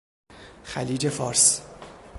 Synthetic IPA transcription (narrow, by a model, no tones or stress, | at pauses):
xæliːd͡ʒe̞fɒːɾs